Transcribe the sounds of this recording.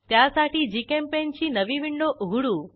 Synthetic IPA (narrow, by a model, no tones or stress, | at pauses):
t̪jasaʈid͡ʒikempent͡ʃʰinəʋiʋɪɳɖoʔɦuɽũ